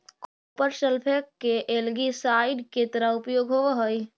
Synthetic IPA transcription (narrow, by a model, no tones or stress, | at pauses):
kupəɾselpʰekːeʔelɡisaɪɖket̪əɾəʊpjoɡɦoʋəɦoj